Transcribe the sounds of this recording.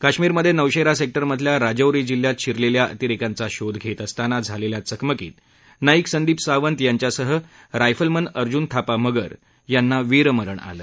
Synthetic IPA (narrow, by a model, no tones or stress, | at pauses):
kaɕmiːɾməd̪ʱːjenəwɕeɾasek̚ʈəɾməd̪ʱljaɾad͡ʑəwɾiːd͡ʑil̤jat̪̚t͡ɕʰiɾleljaə̰t̪iɾikãnt͡saɕod̪ɡʱet̪əst̪anad͡zʱaleljat͡səkməkḭːt̪ | naiːksənd̪iːpsaʋənt̪jaɲt͡ɕjasəɦə | ɾajfəlmənəɾd͡ʑunt̪ʰapaməɡəɾ | janːaʋiɾəməɾəɳa̰ləː